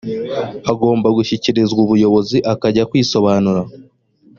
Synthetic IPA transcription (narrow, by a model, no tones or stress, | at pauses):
aɡo̞ːmbaɡuçiciɾizɡuβujo̞βo̞ziʔakaɟakwiːso̞βaːnuɾa